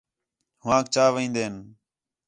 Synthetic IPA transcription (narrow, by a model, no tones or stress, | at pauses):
ɦʊãːkt͡ʃaːʋĩːnd̪eːn